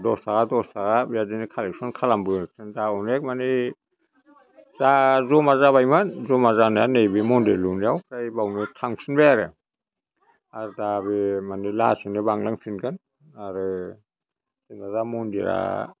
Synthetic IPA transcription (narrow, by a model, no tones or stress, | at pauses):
dɔsaɡadɔsaɣabjadinikʰalek̚sɔnkʰalambɯsɯndaɔnek̚mani | zazɔmazaβajmanzɔmazanaanejbimɔndelunijawkʰɾajbawnitʰaŋsinbeaɾɯ̰ | aɾdaβimanila̰sinibaŋlaŋpʰinɡɯn | aɾɯ | sinazamɔndiɾa̰